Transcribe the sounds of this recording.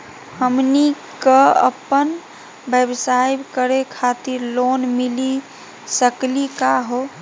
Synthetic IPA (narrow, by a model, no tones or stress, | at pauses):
həmni | kəə̰pən | bebsajbkəɾekʰat̪iɾlonmili | səklikaɦo